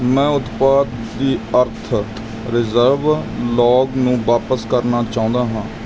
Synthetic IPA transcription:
mɛ̃ːʊt̪paːd̪ːiːəɾt̪ʰ | ɾɪzəɾʋlɔːɡnũːʋaːpəskəɾnaːt͡ʃaːõnd̪aːɦãː

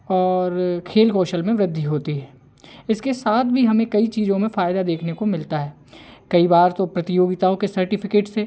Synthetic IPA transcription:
ɔːɾkʰeːlkoːʃəlmẽʋɾɪd̪ʱːiɦoːt̪iɦɛː | ɪskesaːt̪ʰbʱiɦɐmẽkɐit͡ʃiːzõmẽfaːjɪd̪ad̪eːkʰnekomɪlt̪aɦɛː | kɐibaːɾt̪opɾɐt̪ɪjoːɡɪt̪aõkesɐɾʈɪpʰɪkeːʈse

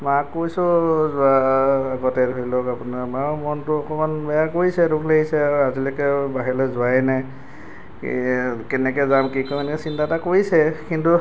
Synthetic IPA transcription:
makːojsɔzʊaːɡɔtɛdojlɔkapunamamɔntʊɔkɔmanbɛjakoɹisɛɾukʰleɦisɛazilɔkɛbaɦilɔzʊajnaj̰ | kɛnɛkɛzamkikɔjmanɛkɛsintatakoɹjsɛkintu

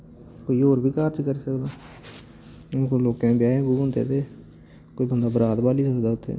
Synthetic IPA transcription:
koːiːoːɾbʱiːkaːɾd͡ʒkəɾiːsəkd̪aː | koloːkẽbjaːẽːɡuːʊ̃nd̪ḛːt̪eː | koiːbənd̪aːbəɾaːt̪baːliːsəkd̪aːʊt̪ʰːḛː

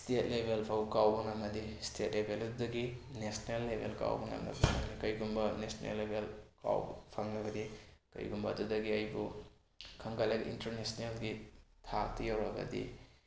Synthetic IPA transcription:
stet̚lebʱelpʰawbkawbɐnɐmɐdistʰet̚lebʱelɐdudɐɡinesnelːebʱelka̰wbuna̰mnɐ̰bunaɡnikɐjɡumbɐnesnḛlːebʱelka̰wpʰaŋnɐbɐdikɐ̰jɡumbɐːdudɐɡiɐjbu | kʰɐŋkalaɡiʔḭntɐɾnesnelɡitʰak̚tɐjawɾɐɡɐ̰dḭ

